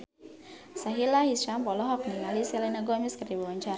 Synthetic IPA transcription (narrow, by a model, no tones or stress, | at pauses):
saɦilahisʃampɔlɔɦɔk̚niŋalisɛlanaɡɔmiskərdibawaɲt͡ʃaɾ